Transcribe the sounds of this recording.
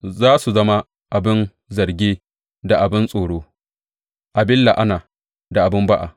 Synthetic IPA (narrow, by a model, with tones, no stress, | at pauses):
zaː˦su˨zɐ˦ma˦ | ʔa˨bɪ˦n | zɐ˨rɡʲeː˦ | da˨ʔa˨bɪ˦nsʼoː˨ɽoː˦ | ʔa˨bɪ˦lːa˨ʔa˦naː˨ | da˨ʔa˨bɪ˦mba˦ʔa̰˨